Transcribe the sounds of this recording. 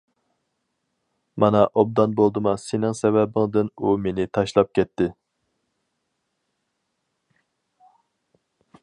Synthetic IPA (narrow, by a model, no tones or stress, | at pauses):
mɑnɑʔob̚d̪ɑnbolˠd̪ɨmɑsɪnɪŋsɛvɛbɪŋd̪ɨnumenɪt̪ʰɑʃlˠɑp̚kʲʰɛt̪ːɪ